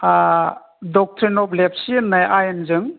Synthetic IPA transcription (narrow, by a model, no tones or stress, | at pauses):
a | dɔk̚tʰɾinɔp̚lep̚siɯnːajʔajɯnzɯŋ